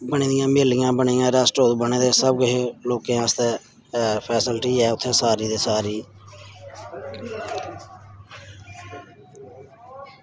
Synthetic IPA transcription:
bəɳiːd̪ɪjãːmeːlɪjãːbəɳiːãːɾaːsʈoːt̪bəɳeːd̪eːsəbkʊɦeloːkẽːãːst̪eː | pʰɛːsɪlʈiːɛːʊt̪ʰːẽːsaːɾiːd̪eːsaːɾiː

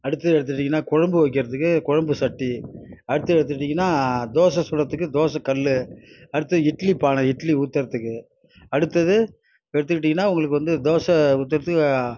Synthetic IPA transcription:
ɐɽɯt̪ːɐðɛɽɯt̪ːɯʈ̬ːɪŋɡɐnːaːkʊɻɐmbɯʋɐɪkːɪɾɐðɯkːɯkʊɻɐmbɯsɐʈːiɐɽɯt̪ːɯɛɽɯt̪̬ːɯʈːɪŋɡɐnːaːd̪oːsɐ̃sɔlːɐt̪ːɯkːɯd̪oːsɐ̃kɐlːɯɐɽɯt̪ːɐðɯɪʈlipaːnɐɪʈliʊːt̪ːɐɾɐt̪ːɯkːɯ | ɐɽɯt̪ːɐðɯ | ɛɽɯt̪ːɯkːɪʈːɪŋɡɐnːaːʊŋɡɐɭɯkːɯʋɐnd̪ɯd̪oːsɐʊt̪ːɐɾɐt̪ːɯkː

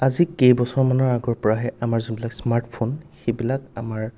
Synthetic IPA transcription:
azikejbɔsɔɹmanɔɹaɡɔɹpɔɹaɦɛʔamaɹzunbilaksmaɹʈpʰonxejbilaka̰maɹ

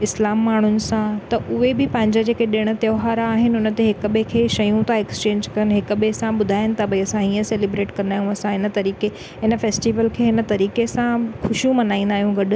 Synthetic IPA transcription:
ɪslaːmːaːɳ̤ʊnɪ̆sãt̪ɐʔʊɦebɪpɐ̃ɦɪ̃ɲd͡ʑad͡ʑeːkeɗɪɽ̃ə̆t̪joːɦaːɾːɦɪnɪʊnət̪eɦɪkɓekʰeːʃɐjũt̪aekst͡ɕẽːɲd͡ʑkɐənɦɪkɓesãɓʊd̪ʱaːjɪnɪ̆t̪ɐbɐiɐsãiːə̃seːlebɾeːʈkɐɾnaːjũɐsãɦɪnət̪ɐɾiːke | ɪnəfeːsʈiːʋəlkʰeːɪnə̆t̪ɐɾiːkesãkʰʊʃjũmɐnaːĩnd̪aːɦjũɡɐɗʊ̆

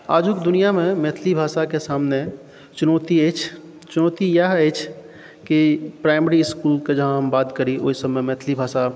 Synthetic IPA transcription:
a̰ːd͡ʒukd̪ʊnijamẽmeːt̪ʰlibʱaːʃakesaːmne | t͡ʃʊnɔːt̪ieːt͡ʃʰ | t͡ʃʊnɔːt̪ijaɦeːt͡ʃʰ | kipɾaːɪməɾiɪskuːlked͡ʒɐɦãɦɐmbaːt̪kəɾiʔo̰isəbmemɛːt̪ʰlibʱaːʃa

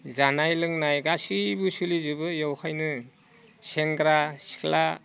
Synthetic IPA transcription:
zanajlɯŋnajɡasibusulizɯbɯjawkʰajnɯ | seŋɡɾasi̥kʰla

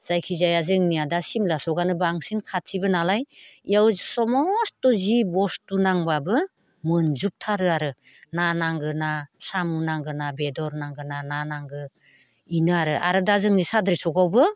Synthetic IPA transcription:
z̥ajkʰizajazɯŋniadasimlasɔɡanɯbaŋsinkʰatʰibɯnalajiawzsɔmɔstɔzibɔstunaŋbabɯ | mɯnzup̚tʰaɾɯaɾɯ | nanaŋɡɯnasamunaŋɡɯnabedɔɾnaŋɡɯnananaŋɡɯ | inɯaɾɯʔa̰ɾɯdazɯŋnisadɾisɔɡawbɯ

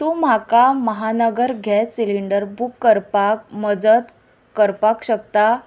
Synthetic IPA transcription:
t̪um̤akaməɦanəɡəɾɡʱɛsiliɳɖəɾbʱukːəɾpak̚məd͡zət̪ | kəɾpakɕək̚t̪a

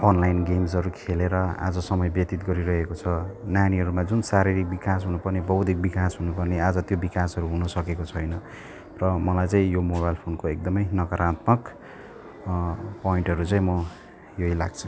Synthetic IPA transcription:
ʌnlajnɡemsɦʌɾukʰeleɾʌa̰d͡zʌsʌmʌjbjʌt̪it̪̚ɡʌɾiɾʌɦekot͡sʰʌnjaniɦʌɾumad͡zunsaɾiɾik̚bikasɦunupʌrnebʌɦud̪ʱik̚bikasɦunupʌrnead͡zʌt̪jobikasɦʌɾuɦunʌsʌkekot͡sʰʌjnʌ | rʌmʌlajt͡saĩjomobajlpʰonkoek̚d̪ʌmʌjnʌkʌɾat̪mʌk | poiɳʈɦʌɾut͡saĩmʌ | joila̰ɡ̚t͡sʰu̥

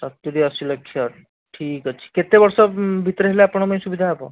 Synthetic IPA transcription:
sat̪ːuɾiəsiləkʰːjə | ʈʰiːkət͡ʃʰi̥ket̪eʋəɾsəbʱit̪ɾəɦelaapəɳ̃məjsubid̪ʱapə̰

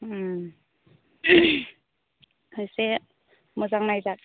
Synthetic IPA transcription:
ɯjse | mɔzaŋnajzat̚

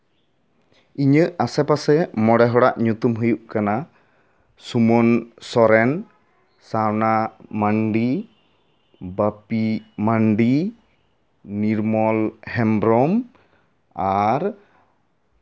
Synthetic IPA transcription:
iɲəʔasɛpasɛmɔɽɛɦɔɽaʔɲut̪umɦujuʔkana | sumɔnsɔɾɛn | sawnamaɳɖi | bapimaɳɖi | niɾmɔlhɛmbɾɔm | aɾ

